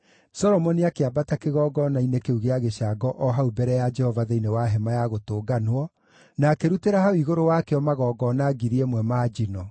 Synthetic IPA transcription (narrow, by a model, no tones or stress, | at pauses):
sɔɾɔmɔniakeabatakeɣɔɡɔnainekeuɣeaɣeɕaɡɔʔɔɦaubɛɾɛjad͡ʒɛhɔvaðeinewaɦɛmajaɣotoːɡanwɔ | nakeɾuteɾahaoiɣoɾowakeɔmaɣɔːɡɔnaɡiɾiɛmwɛmaːd͡ʒinɔ